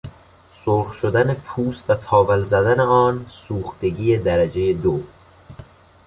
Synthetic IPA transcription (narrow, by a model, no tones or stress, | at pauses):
soɾxʃod̪ænepʰuːst̪væt̪ʰɒːvælzæd̪æneɒːnsuːxt̪e̞ɡiːjed̪æɾæd͡ʒejed̪o